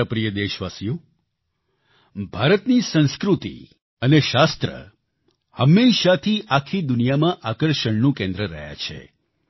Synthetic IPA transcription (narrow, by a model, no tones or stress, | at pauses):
əpɾijəd̪eʃʋasijo | bʱaɾət̪nisə̃nskɾut̪ḭ | əneʃast̪ɾə̰ | həmːeʃat̪ʰiʔakʰid̪ʊnijamãʔakəɾʃəɳnũkẽnd̪ɾəɾə̰ɦja̰t͡ʃʰḛ